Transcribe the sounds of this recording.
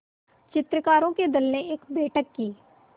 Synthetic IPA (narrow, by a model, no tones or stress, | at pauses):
t͡ʃɪt̪ɾəkaːɾõːkeːd̪əlnẽːɪkbeːʈʰəkːiː